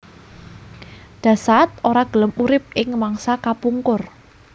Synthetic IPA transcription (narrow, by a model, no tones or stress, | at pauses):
ɖ̥ä̤sat̪̚ʔoɾaɡ̥ə̤ləmuɾɪp̚ɪŋmaŋsakapuŋkʊr